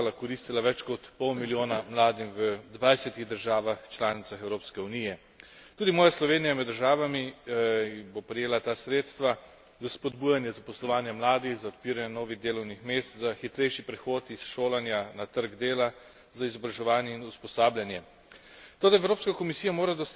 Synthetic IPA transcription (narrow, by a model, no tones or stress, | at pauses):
lakɔɾiːst̪ilaʋɛt͡ʃkɔt̪pɔwmiljoːnamlaːd̪imʋəd̪ʋajsɛt̪iɣd̪əɾʒaːʋaxt͡ʃlaːnit̪saxɛwɾoːpskɛunijɛ | t̪uːd̪imɔːjaslɔʋeːnijamɛd̪ːəɾʒaːʋami | bopɾɛjeːlat̪aːsɾeːt̪st̪ʋa | zaspɔd̪buːjanjɛzapɔslɔʋaːnjɛmlaːd̪ixzaɔt̪̚piːɾanɛnɔːʋiɣd̪eːlɔwnixmeːst̪zaxit̪ɾɛjʃipɾɛxoːt̪isʃoːlanjanat̪əɾɡd̪eːla | zaizɔbɾaʒɛʋaːnjɛinuspɔsaːbljanjɛ | t̪oːd̪aɛwɾoːpskakɔmisiːjamoːɾad̪ɔs